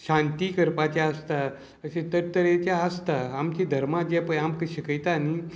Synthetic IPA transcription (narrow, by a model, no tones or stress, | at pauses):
ɕãnt̪ikəɾpat͡ɕjaəst̪a | əɕẽt̪əɾt̪əɾet͡ɕjaəst̪aamt͡ɕid̪ʱəɾmad͡ʑɛpəamkəɕikəjt̪ani